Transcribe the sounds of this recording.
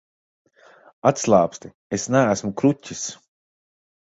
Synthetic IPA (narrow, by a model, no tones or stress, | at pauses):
at̪slˠaːpst̪i | esnæːsmukɾutʲːis